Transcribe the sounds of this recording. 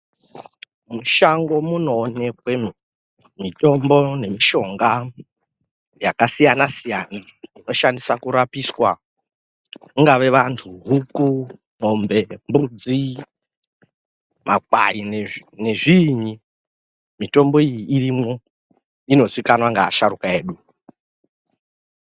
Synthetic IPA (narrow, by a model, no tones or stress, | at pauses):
muʃaŋɡo̞muno̞ːne̞kwe̞ | mito̞mbo̞ne̞miʃo̞ŋɡa | jakasijanasijanaino̞ʃandisakuɾapiswa | kuŋɡaʋe̞ʋantʰuɦuku | mombe̞mbud͡zi | mak̚wa̰inene̞ʐiɲi | mito̞mbo̞ijiirimo̞ | ino̞zikanwaŋɡa̰ːʃaɾukae̞ːɗu